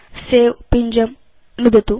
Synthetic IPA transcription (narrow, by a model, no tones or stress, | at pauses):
seːwpiɲd͡ʒɐm | mud̪ɐt̪u